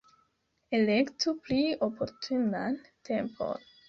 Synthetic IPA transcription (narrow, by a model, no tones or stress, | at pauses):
elektupliopʰo̞ɾtʰunantʰe̞mpʰo̞̰n